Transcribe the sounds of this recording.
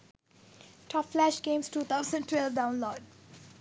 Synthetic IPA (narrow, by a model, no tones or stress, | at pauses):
ʈʰɔpflæʃɡẽːmsʈuːt̪ʰaʊzə̃nə̃nʈwɛlvɖãʊ̃nlɔːɖ